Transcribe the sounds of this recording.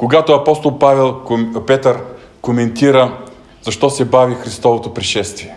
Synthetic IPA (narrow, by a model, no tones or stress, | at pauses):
koɡat̪oɐpɔst̪olˠpavɛlˠpɛt̪əɾ | komɛnt̪iɾə | z̥ɐʃt̪ɔsɛbavixɾist̪ɔvot̪opɾiʃɛst̪viɛ